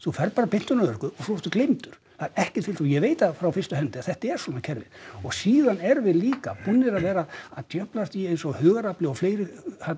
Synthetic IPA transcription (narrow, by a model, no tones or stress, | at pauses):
θufɛɾpaːɾapɪn̥t̪ʏnaðœɾkʏɔθɔt̪ʏklejmt̪ʏɾ̥ | θaɾɛhcɛ̥t̪fɪlt̪θujɛveːjt̪afɾawfɪrst̪ʏɦɛnt̪ɪaθɛht̪aɛɾ̥swɔːnacʰɛɾvɪ̰ðɔɣsiːðanɛɾvɪðliːka̰pʊnːɪɾaðvɛːɾaːðt̪jœplast̪iejnsɔhœːɣaɾaplɪɔfleːjɾɪha